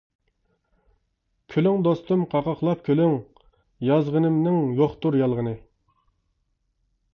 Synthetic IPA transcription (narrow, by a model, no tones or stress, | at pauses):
kʲʰølyŋd̪ost̪umqʰɑʁɑχlˠɑp̚kʲʰølyŋ | jɑzʁənɨmnɨŋjoχt̪uɾjɑlˠʁənɨ